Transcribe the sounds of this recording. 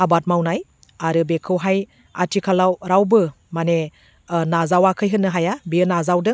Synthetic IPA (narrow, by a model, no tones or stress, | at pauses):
abat̚mawnaj | aɾɯbekʰɯwɦaj | a̰tʰikʰalawɾawbɯ | mane | nazawakʰɯjɦɯnːɯɦajabiɯnazawdɯ